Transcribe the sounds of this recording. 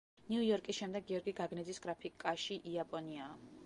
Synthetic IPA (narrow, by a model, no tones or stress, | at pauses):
niujɔɾkʼisʃɛmd̪ɛɡːiɔɾɡiɡaɡnɛd̪zisɡ̥ɾapʰikʼaʃiʔiapʼɔniaː